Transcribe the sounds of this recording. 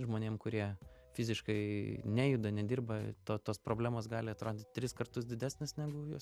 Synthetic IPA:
ʒmoːnʲeːmkʊɾʲiɛ | fʲɪzʲɪʃkɐɪnʲæːjʊd̪ɐnʲɛd̪ʲiːrbɐt̪oːt̪oːspɾoːbʲlʲæːmoːsɡɑːlʲɪɐt̪ɾoːd̪ʲɪt̪ʲt̪ʲɾʲɪskɐrt̪ʊs̬d̪ʲɪdʲæːsʲnʲɪsnʲæːɡʊjoɔs

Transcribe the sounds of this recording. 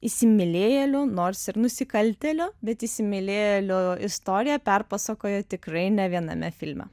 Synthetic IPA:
ɪsʲɪmʲɪlʲeːjɛlʲʊnoːɾsɪɾnʊsʲɪkɐlʲt̪ʲɛlʲʊbʲɛt̪ɪsʲɪmʲɪlʲeːjɛlʲʊɪst̪oːɾʲɪjɛpʲɛrpɑsɐkoːjɛt̪ʲɪkɾɐɪnʲɛʋʲiɛnɐ̰mʲɛfʲɪlʲmʲɛ̰

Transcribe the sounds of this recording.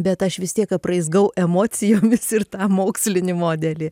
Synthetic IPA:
bʲɛt̪ɐʃʋʲɪst̪ʲiɛkɐprɐɪzɡɐʊʔɛmoːt͡sʲɪjoːmʲɪsɪrt̪ɑːmoːksʲlʲɪnʲɪmoːd̪ʲɛlʲiː

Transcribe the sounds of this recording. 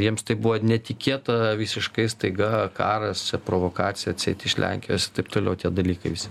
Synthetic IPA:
jiɛmst̪ɐɪbuʋonʲɛt̪ʲɪkʲeːt̪ɐʋʲɪsʲɪʃkɐɪst̪ɐɪɡɐkɑ̰ːɾɐsʲɛpɾoːʋokɑːt̪sʲɪjɛɐt̪ʲsʲɛ̰ɪt̪ʲɪʃlʲʔæ̰ŋʲkʲɪjoːsɪt̪ɐɪpt̪oːlʲɛʊt̪ʲiɛd̪ɐlʲiːkɐɪʋʲɪsʲɪ

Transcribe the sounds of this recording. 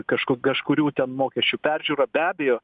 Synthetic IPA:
kɐʃkʊkɐʃkʊɾʲuːt̪ʲɛnmoːkʲɛsʲt͡ʃʲuːpʲæɾʲʒʲuːɾɐbʲæːbʲɛjoː

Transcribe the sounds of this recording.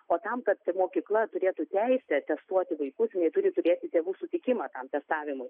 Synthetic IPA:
oːt̪ɐmkɐt̪moːkʲiːklˠɐt̪ʊɾʲeːt̪uːt̪ʲɛɪsʲɛt̪ʲɛst̪uɔt̪ʲɪʋɐɪkʊsnʲɛɪt̪ʊɾʲɪt̪ʊɾʲeːt̪ʲɪtʲeːʋuːsʊt̪ʲɪkʲɪmɐt̪ɐmt̪ʲɛst̪ɑːʋʲɪmʊɪ

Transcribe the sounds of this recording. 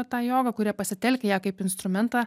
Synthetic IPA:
t̪ɑːjoːɡɐkʊɾʲiɛpɐsʲɪt̪ʲɛlʲkʲɛjæːkɐɪpɪnst̪ɾʊmʲɛnt̪ɑː

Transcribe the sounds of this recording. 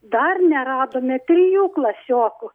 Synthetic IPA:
d̪ɐrnʲɛɾɑːd̪oːmʲɛt̪ʲrʲɪjuːklˠɐsʲoːkʊ

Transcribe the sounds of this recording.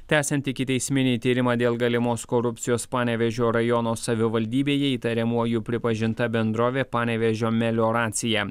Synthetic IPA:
t̪ʲæːsʲɛnʲt̪ʲɪkʲɪt̪ʲɛɪsʲmʲɪnʲiːt̪ʲiːɾʲɪmɑːd̪ʲeːlˠɡɐlʲɪmoːskoɾʊpʲt̪sʲɪjoːspɑːnʲɛʋʲɛʒʲoːɾɐjɔnoːsɐʋʲɪʋɐlʲd̪ʲiːbʲeːjɛiːt̪ɐɾʲɛmuɔjuːpʲɾʲɪpɐʒʲɪnt̪ɐbʲɛnd̪ɾoːʋʲeːpɑːnʲɛʋʲɛʒʲoːmʲɛlʲoːɾɑːt̪sʲɪjæː

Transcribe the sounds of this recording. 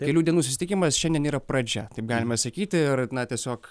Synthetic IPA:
kʲɛlʲuːd̪ʲiɛnuːsʊsʲɪt̪ʲɪkʲimɐsʃʲɛndʲiɛniːɾɐpɾɐd͡ʒʲɛt̪ɐɪp̚ɡɑːlʲɪmɐsɐkʲiːt̪ʲɪɪrnɐt̪ʲiɛsʲoːk

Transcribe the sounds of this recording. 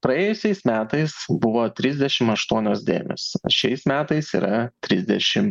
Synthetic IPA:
pɾɐeːjʊsʲɛɪsmʲæːt̪ɐɪsbʊʋoːt̪ʲɾʲɪzʲd̪ʲɛʃʲɪmɐʃt̪uɔnʲoːsd̪ʲḛːmʲo̰sʃʲɛɪsmʲæːt̪ɐɪsḭːɾʔɐt̪ʲɾʲɪzʲd̪ʲɛʃʲɪm

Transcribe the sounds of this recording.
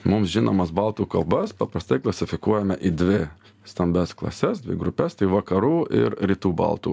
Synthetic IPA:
mʊmsʒʲɪno̰ːmɐsbɐlˠt̪uːkɐlˠbɐspɐpɾɐst̪ɐɪklˠɐsʲɪfʲɪkuɔjɛmʲɛʔid̪ʲʋʲɪ | st̪ɐmʲbʲɛsklˠɐ̰sʲɛsd̪ʲʋʲɪ̰ɡɾʊpʲɛst̪ɐɪʋɐkɐɾuːɪ̰ɾɾʲiːt̪uːbɐ̰lˠt̪ṵː

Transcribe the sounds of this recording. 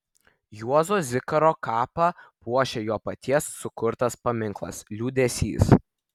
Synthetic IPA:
juɔzoːzʲɪkɐɾoːkɑːpɐpuɔʃʲejoːpɐt̪ʲiɛsːʊkʊɾt̪ɐspɐmʲɪŋklˠɐ̰slʲuːd̪ʲɛsʲḭːs

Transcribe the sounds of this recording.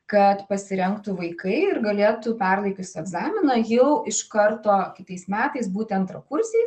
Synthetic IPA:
kɐt̪pɐsʲɪɾʲɛŋkt̪ʊʋɐɪkɐɪɪrɡɐlʲeːt̪ʊpʲɛrlˠɐɪkʲʊsʲɛɡzɑːmʲɪnɐjɛʊʔɪʃkɐɾt̪oːkʲɪt̪ɐɪsmʲæːt̪ɐɪsbuːt̪ʲɐnt̪ɾɐkʊɾʲsʲeɪs

